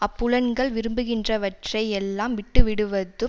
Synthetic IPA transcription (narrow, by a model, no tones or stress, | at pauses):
ɐpːʊlɐnɡɐɭʋɪɾɯmbɯɣɪndrɐʋɐʈrɐɪɛlːaːmʋɪʈːɯʋɪɽɯʋɐðɯ